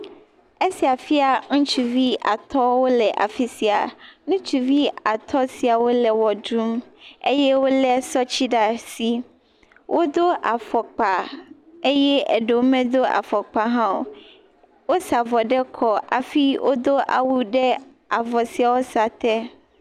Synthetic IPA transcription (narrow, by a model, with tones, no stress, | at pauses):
e˦si˨a˨fi˦a˨ŋ̩̃˦t͡ʃu˨vi˦ʔa̰˨t̪ɔ˦wo˦lɛ˨ʔa̰˨fi˦si˨a̰˨nũ˦t͡ʃu˨vi˦a˨t̪ʰɔ˦si˨a˨wo˦lɛ˨wɔ˨dɾu˦mḛ˦jɛ˦wo˦lɛ˦sɔ˦t͡ɕi˦ɖa˨si˨ | wʔo˦d̪o˦ʔa˨fɔ˨k͡pa˨e˦jɛ˦ɛ̰˨ɖe˨wo˦mɛ̃˦d̪o˦a̰˨fɔ˨k͡pa˨ɦã˦wo˨ | wo˦sa˨vɔ˨ɖɛ˦kʰɔ˨ʔa̰˨fi˦wʔo˦d̪o˦ʔa̰˨wu˦ɖɛ˦ | a˨vɔ˨si˨a˨wo˦sa˨t̪ɛ˦